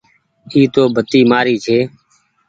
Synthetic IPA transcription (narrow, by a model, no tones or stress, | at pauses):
iːt̪oːbʱət̪iːmaːɾiːt͡ʃʰeː